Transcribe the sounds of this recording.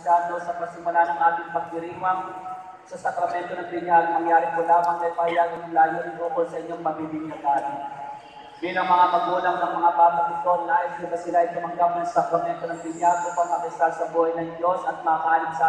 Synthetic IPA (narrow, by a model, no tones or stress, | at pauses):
daːd̪o̞sɐpɐɡ̚sɪmʊlanɐŋʔaːt̪ɪŋpɐɡ̚t̪ɪɾiːwɐŋ | sɐsɐkɾɐmɛnt̪o̞nɐŋbɪɲalnɐŋjaːɾɪŋkolaːmɐŋɐjpɐhɐjaːɡɐnʊŋlaːlonɪb̪uːkolsɐʔɪɲːoŋmɐbibɪŋnɐd̪aːlɪ | bilɐŋmɐŋamɐɡuːlɐŋnɐŋmɐŋabaːpɐsɪsonnaʔɪsdɪbɐsɪlaʔɐjkʊmɐŋɡap̚nɐŋsɐkɾɐmɛnt̪o̞nɐŋbɪɲalkʊpaɡ̚mɐkɐɪsasɐbohɐjnɐŋd͡ʒo̞sʔɐt̪̚mɐkaːlɪŋsa